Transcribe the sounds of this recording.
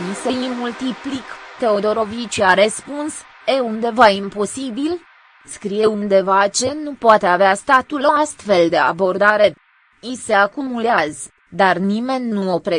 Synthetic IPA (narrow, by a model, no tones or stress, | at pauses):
niseimmult̪iplikt̪e̞o̞d̪o̞ɾo̞vit͡ʃiaɾespuns | eund̪e̞vaimpo̞sibil | skɾije̞und̪e̞vat͡ʃe̞nupoat̪e̞aveast̪at̪uloast̪fe̞ld̪e̞a̰bo̞rd̪aɾe̞ | ise̞akumuleazə | d̪arnime̞nʲːuopɾe